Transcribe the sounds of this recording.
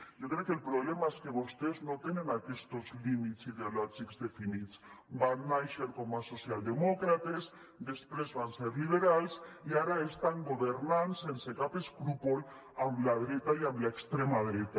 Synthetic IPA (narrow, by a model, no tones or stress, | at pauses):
ɟ͡ʝokɾekelpɾoβlemaeske̞βust̪eznot̪enẽ̞nakest̪o̞zlimit̪siðeoloʒikzðe̞finit̪t͡sbanajʃeɾkomaso̞sjald̪e̞mokɾat̪ez | d̪e̞spɾe̞zβanseɾliβ̞eɾalsiaɾaest̪aŋɡoβeɾnanse̞nsekapeskɾupol | amlaðɾet̪aiamlaekst̪ɾemaðɾet̪a